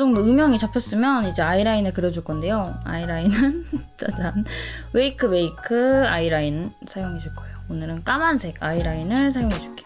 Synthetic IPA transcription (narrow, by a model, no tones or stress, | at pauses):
d͡ʑʌŋdoɯmjʌŋit͡ɕapʰjʌs͈ɯmjʌnid͡ʑe̞aiɾainɯɭkɯɾjʌd͡ʑuɭk͈ʌnde̞joa̰iɾainɯnt͡ɕʰad͡ʑanwe̞ikʰɯwe̞ikʰɯaiɾainsʰajoŋɦed͡ʑuɭk͈ʌejoonɯɾɯnk͈amansʰe̞kaiɾainɯɭsʰajoŋɦed͡ʑuk͈e̥